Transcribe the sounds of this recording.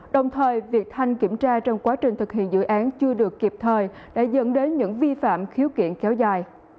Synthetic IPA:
ɗə˨˩wŋ͡mt̪ʰəː˨˩jvi˨˩ək̚t̪ʰa˧jŋ̟kḭ˧˩əmt͡ɕaː˧t͡ɕɔ˧wŋ͡mkwaː˨˦t͡ɕï˨˩ŋ̟t̪ʰɨ˨˩k̚ɦḭ˧˨ənzɨ̰˧˨ʔaː˨˦nt͡ɕɨ˧əɗɨ˨˩əkːi˨˩p̚t̪ʰəː˨˩j | ɗa̰ː˧˥zə̰˧˥nɗe˨˦nɲɨ̰˧˥ŋvi˧fa̰ː˧˨mxi˨˦wkḭ˧˨ənkɛ˨˦wzaː˨˩j

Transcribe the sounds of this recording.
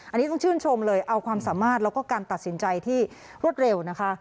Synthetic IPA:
ʔa˧nːi˦t̪ɔ˥˩ŋt͡ɕʰɯː˥˩nt͡ɕʰo˧mlɤː˧jʔa˧wkʰwaː˧msaː˩˦maː˥˩t̪̚lɛ˦˥wkɔː˥˩kaː˧nt̪a˨˩t̪̚si˩˦nt͡ɕa˧jt̪ʰiː˥˩ | ɾu˥˩ət̪̚ɾe˧wna˦˥kʰa˦˥ʔ

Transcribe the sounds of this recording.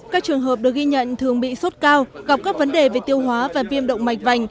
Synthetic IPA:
kaː˦˥k̚t͡ɕɨ˨˩əŋɦəː˨˩p̚ɗɨ˨˩ək̚ɣi˧ɲə̰˧˨nt̪ʰɨ˨˩əŋɓḭ˧˨so˦˥t̚kaː˧wɣa˨˩p̚kaː˦˥k̚və˨˦nɗe˨˩ve˨˩t̪i˧əwhwaː˨˦vaː˨˩vi˧əmɗə̰˧˨wŋ͡mma˨˩jk̟̚va˨˩jŋ̟

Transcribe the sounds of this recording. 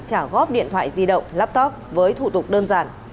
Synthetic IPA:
t͡ɕaː˧˩ɣɔ˦˥p̚ɗḭ˧˨ənt̪ʰwa̰ː˧˨jzi˧ɗə̰˧˨wŋ͡mlaː˦˥p̚t̪ɔ˦˥p̚vəː˨˦jt̪ʰu˧˩t̪ʊ˨˩k͡p̚ɗəː˧nzaː˧˩n

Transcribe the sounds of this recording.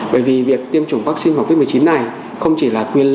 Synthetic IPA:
ɓəː˧˩jvi˨˩vi˨˩ək̚t̪i˧əmt͡ɕʊ˨˧˩ŋ͡mvaː˦˥k̚si˧nva˨˦˩wvi˦˥mɨ˨˩t͡ɕi˨˦nːa˨˩j | xə˧wŋ͡mt͡ɕi˧˩laː˨˩kwi˧ənl

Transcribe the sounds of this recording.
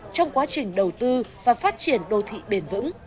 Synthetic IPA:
t͡ɕɔ˧wŋ͡mkwaː˨˦t͡ɕï˨˩ŋ̟ɗə˨˩wt̪ɨ˧vaː˨˩faː˦˥t̚t͡ɕi˧˩ənɗo˨˧˩t̪ʰḭ˧˨ɓe˨˧˩nvɨ̰˧˥ŋ

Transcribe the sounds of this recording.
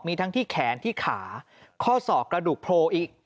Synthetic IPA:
miː˧t̪ʰa˦˥ŋt̪ʰiː˥˩kʰɛː˩˦nt̪ʰiː˥˩kʰaː˩˦ | kʰɔː˥˩sɔː˨˩p̚kɾa˧duː˨˩k̚pʰɾoː˧ʔiː˨˩k̚

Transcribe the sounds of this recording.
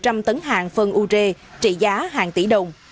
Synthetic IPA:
t͡ɕa˧mt̪ə˨˦nɦaː˨˩ŋfə˧nʔu˧t͡ɕe˧ | t͡ɕḭ˧˨zaː˨˦ɦaː˨˩ŋt̪ḭ˧˩ɗə˨˩wŋ͡m

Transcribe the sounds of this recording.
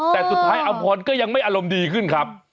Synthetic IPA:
t̪ɛː˨˩su˨˩t̪̚ʰaː˦˥jʔa˧mpʰɔː˧nkɔː˥˩ja˧ŋma˥˩jʔaː˧ɾo˧mdiː˧kʰɯ˥˩nkʰɾa˦˥p̚

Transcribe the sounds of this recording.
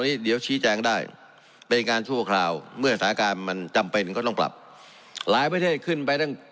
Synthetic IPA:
niː˦˥di˨˩˦əwt͡ɕʰiː˦˥t͡ɕɛː˧ŋdaː˥˩j | pe˧nkaː˧nt͡ɕʰu˥˩ɐkʰlaː˧wmɯ˥˩ɐsa˩saː˩˦˥kaː˧nma˧nt͡ɕa˧mpe˧nkɔː˥˩t̪ɔ˥˩ŋpla̰˨˩p̚ | laː˨˦jpɾa˧t̪ʰeː˥˩t̪̚kʰɯ˥˩npa˧jt̪ʰa˥˩ŋ

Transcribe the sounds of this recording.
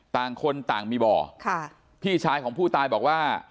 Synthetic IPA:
t̪aː˨˩ŋkʰo˧nt̪aː˨˩ŋmiː˧bɔ̰ː˨˩kʰa˥˩ | pʰiː˥˩t͡ɕʰaː˧jkʰɔː˩˦ŋpʰuː˥˩t̪aː˧jbɔː˨˩k̚waː˥˩

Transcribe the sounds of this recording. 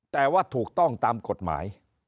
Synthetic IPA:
t̪ɛː˨˩waː˥˩t̪ʰuː˨˩k̚t̪ɔ˥˩ŋt̪aː˧mko˨˩t̪̚ma̰ː˩˦j

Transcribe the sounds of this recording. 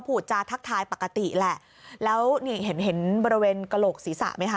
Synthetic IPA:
pʰuː˨˩t̪̚t͡ɕaː˧t̪ʰa˦˥k̚t̪ʰaː˧jpa˨˩kːa˧t̪i˨˩ʔlɛ˨˩ʔ | lɛː˦˥wniː˧˩ɦe˩˦nɦe˩˦nbɔː˧ɾi˧weː˧nka˧loː˨˩k̚siː˩˦sa̰˨˩ʔma˦˥jkʰa˦˥

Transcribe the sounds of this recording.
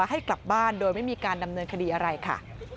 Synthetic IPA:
ha˥˩jkla˨˩p̚baː˥˩ndoː˧jma˥˩jmiː˧kaː˧nda˧mnɤː˧nkʰa˧diː˧ʔa˧ɾa˧jkʰa̰˥˩

